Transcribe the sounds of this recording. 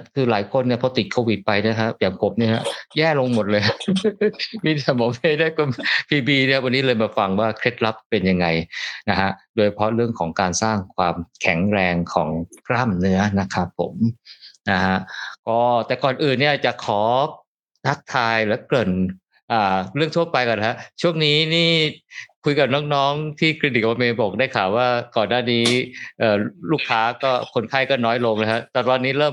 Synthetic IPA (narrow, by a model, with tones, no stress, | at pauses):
kʰɯː˧laː˩˦jkʰo˧nːi˥˩ɐpʰɔ˧t̪i˨˩t̪̚kʰoː˧wi˨˩t̪̚pa˧jna˦˥˩kʰa˦˥p̚jaː˨˩ŋpʰo˨˩˦mni˥˩na˥˩jɛː˥˩lo˧ŋmo˨˩t̪̚lɤː˧j | miː˧˥˩t̪ʰa˨˧˩bɔ˨˩˦me˥˩da˥˩jkʰo˧mpʰiː˧biː˧ni˥˩wa˧nːiː˦˥lɤː˧jmaː˧fa˧ŋwaː˥˩kʰɾe˦˥t̪̚la˦˥p̚pːe˧nja˧ŋːa˧jna˦˥kʰa˦˥doː˧jt͡ɕʰa˧pʰɾɔ˦˥ɾɯ˥˩əŋkʰɔː˩˦ŋkaː˧nsaː˥˩ŋkʰwaː˧mkʰɛ˨˩˦ŋɾɛː˧ŋkʰɔː˩˦ŋklaː˥˩mnɯ˦˥ɐna˦˥kʰa˦˥pʰːo̰˩˦mna˦˥ha˦˥ʔkɔː˥˩t̪ɛː˨˩kɔː˨˩nʔɯː˨˩nːi˥˩ɐt͡ɕa˨˩ʔkʰɔː˩˦ | t̪ʰa˦˥k̚t̪ʰaː˧jlɯ˩˦klɤ˨˩n | ʔaː˨˩ɾɯ˥˩ət̪ʰu˥˩ɐpa˧jkɔː˨˩na˦˥a˦˥ʔt͡ɕʰu˥˩əŋniː˦˥niː˥˩kʰu˧jka˨˩p̚nɔː˦˥ŋnɔː˦˥ŋt̪ʰiː˥˩kʰe˧˩di˨˩k̚a˧meː˧bo˨˩k̚da˥˩jkʰaː˨˩waː˥˩kɔː˨˩nːaː˥˩niː˦˥ʔɤː˨˩luː˥˩kʰaː˦˥kɔː˥˩kʰo˧nkʰaː˥˩jkɔː˥˩nɔː˦˥jlo˧ŋna˦˥kʰa˦˥t̪ɛː˨˩t̪ɔː˧nːiː˦˥ɾɤː˥˩m